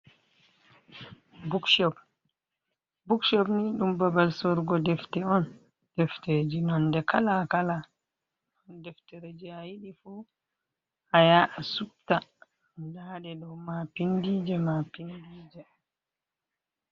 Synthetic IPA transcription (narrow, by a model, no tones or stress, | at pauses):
bukʃɔp̚ | bukʃɔpniɗumbabalsɔɾɡɔdɛftɛɔn | d̥ɛfted͡ʒinɔndɛkʰalakala | ɔndɛfteɾed͡ʒiajiɗifu | hajaʔasup̚ta | daɗɛɗɔwmapindid͡ʒɛmapindiːd͡ʒɛ